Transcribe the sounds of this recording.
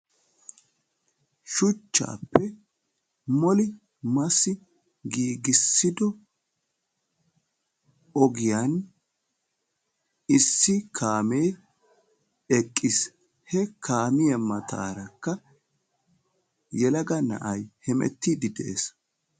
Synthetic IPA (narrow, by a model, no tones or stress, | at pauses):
ʃʊt͡ʃːa̰ːpːɛ | mɔlɪ | mɐsɪ | ɡiːɡɪsːɪd̪ɔ | ɔɡɪjan | ɪsːɪkʰaːmej | ɛkʼːɪs | hɛkaːmɪjɐmɐt̪ʰa̰ːɾɐkːɐ | jɛlɐɡɐnɐ̰ʔɐjhɛmɛ̰t̪ːiːd̪ɪd̪ɛʔḛs